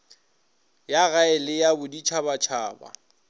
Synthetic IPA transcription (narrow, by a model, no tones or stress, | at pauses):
jaɣaɪlɪjabʊdit͡ʃʰabat͡ʃʰaːba̰